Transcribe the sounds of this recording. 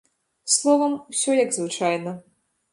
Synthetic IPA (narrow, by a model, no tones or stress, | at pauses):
slˠɔvɐmwsʲɔjɐɡzvɨt͡ʂajnɐ